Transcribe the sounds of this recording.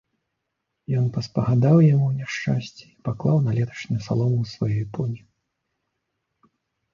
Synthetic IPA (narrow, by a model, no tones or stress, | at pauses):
jɔnpɐspɐɣad̪awjamuwnʲɛʂt͡ʂasʲt͡sʲɛ̥ipaklˠawnɐlʲɛt̪ʰɐ̥ʂnʲɛusalˠɔmusvajɔjpɔnʲi